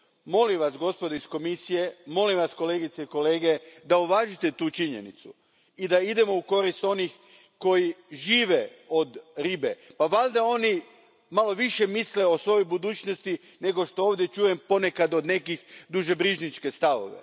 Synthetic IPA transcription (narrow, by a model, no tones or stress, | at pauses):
mo̞limʋasɡo̞spod̪oisko̞misije̞mo̞limʋasko̞le̞ːɡit̪seiko̞le̞ːɡe̞d̪auʋaːʒit̪e̞t̪uːt͡ʃiɲe̞̰nḭt̪su | id̪aid̪e̞mo̞uko̞ɾist̪o̞nix | ko̞jiʒiːʋeo̞d̪ɾibepaʋald̪ao̞ni | malˠo̞ʋiʃe̞misleo̞sʋo̞jojbud̪uːt͡ʃnost̪i | ne̞ɡo̞ʃt̪o̞oːʋd̪je̞t͡ʃuːje̞mpo̞ne̞kad̪o̞d̪ne̞kixd̪uʒebɾiʒnit͡ʃke̞st̪aʋo̰ʋḛ